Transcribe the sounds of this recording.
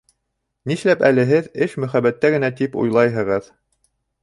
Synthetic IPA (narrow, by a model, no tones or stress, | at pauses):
niʃlæpælɘ̆ɦɘðɘʃmɵ̆χæβæt̪ːæɡɘ̆næt̪ipṵjlˠɑjɦɤ̆ʁɤð